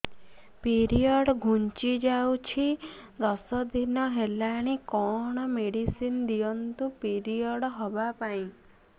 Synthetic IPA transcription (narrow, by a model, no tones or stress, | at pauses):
piɾiɔɽɡʱunt͡ʃid͡ʒawt͡ʃʰid̪ɔsɔd̪inɔɦelaɽ̃ikɔɽ̃ɔmeɽisind̪iɔnt̪upiɾiɔɽɦɔbapaĩ